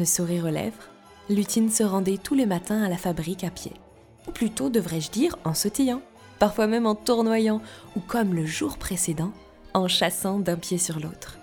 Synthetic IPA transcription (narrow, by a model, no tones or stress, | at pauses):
əsuʁiʁəlɛ̰vʁ | lyt̪insəʁɑ̃d̪ɛt̪ulemat̪ɛ̃alafabʁikapjḛ | uplyt̪od̪əvʁɛʒd̪iʁɑ̃sɔt̪ijɑ̃ | paʁfwamɛmɑ̃t̪uʁnwajɑ̃ukɔmləʒuʁpχesed̪ɑ̃ | ɑ̃ʃasɑ̃d̪ɛ̃pjesyʁloːt̪χ